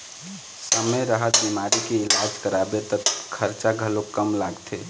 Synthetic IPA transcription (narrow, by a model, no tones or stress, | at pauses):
səməjɾəɦət̪̚bimaɾikeɪlad͡ʒkəɾabet̪əkʰəɾt͡ʃaɡʱəlokəmlaɡt̪ʰe